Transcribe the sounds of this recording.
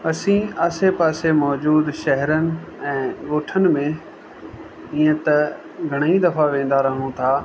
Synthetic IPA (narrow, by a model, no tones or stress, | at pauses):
ɐsĩaːsepaːsemɔːd͡ʑuːd̪ʃɐɦɛɾənɪ̆ɛ̃ːɡoːʈʰənɪ̆mẽ | iːə̃t̪ɐ | ɡʱɐɽ̃id̪ɐfaʋẽːn̆d̪aɾɐɦũt̪ʰaː